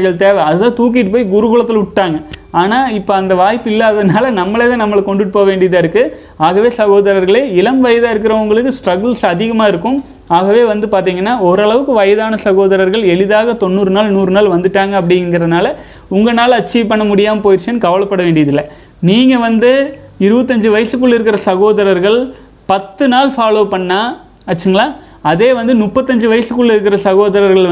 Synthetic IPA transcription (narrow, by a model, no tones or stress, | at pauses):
ɣɐɭt̪eːʋɐɐðɯt̪ãːt̪uːk̬ɪʈːɯpoːjɡʊɾɯɣʊɭɐt̪ːɪlʊʈʈːaːŋɡɐaːnaːɪpːoːɐnd̪ɐʋaːjpːɪlːaðɐnaːlɐnɐmːɐɭɛðɐnɐmːɐɭkɔɳɖɯʈːɯpoːʋeːɳɖɪjɐðaːɪɾɯkːɯ | aːɣɐʋeːsɐɣoːðɐɾɐɾɣɐɭeːɪlɐmʋɐjɐðaːɪɾɯk̬ːɪɾɐʊŋɡɐɭɯkːɯsʈɾɐɣɐɭsɐðɪɣɐmaːɪɾɯkːɯ̃m | aːɣɐʋeːʋɐnd̪ɯpaːɾt̪̬iːŋɡɐnːaːɔɾɐɭɐʋɯkːɯʋɐjɐðaːnɐsɐɣoːðɐɾɐɾɣɐɭɛɭɯðaːɣɐt̪ɔnːuːɾɯnaːlnuːɾɯnaːlʋɐnd̪ɯʈːaːŋɡɐːp̬ːɐɽɪɪŋɡɪɾɐðɯnaːlɐ | ʊŋɡɐnaːlɐt͡ʃiːʋpɐɳːɐmʊɽɪjaːmɐpoːjɪʈt͡ʃɐnkɐʋɐɭɐpːɐɽɐʋeːɳɖɪjɐðɪlːɐ | niːŋɡɐʋɐnd̪ɯɪɾɯbɐt̪ːɐɲd͡ʒɯʋɐjɐsɯkːʊɭːɪɾɯkːɪɾɐsɐɣoːðɐɾɐɾɣɐɭ | pɐt̪ːɯnaːlfaːloːpɐɳːaː | ɐt͡ʃːɪŋɡɐɭaː | ɐðeːʋɐnd̪ɯmʊpːɐt̪ːɐɲd͡ʒɯʋɐjɐsɯkːʊɭːɪɾɯkːɪɾɐsɐɣoːðɐɾɐɾɣɐɭ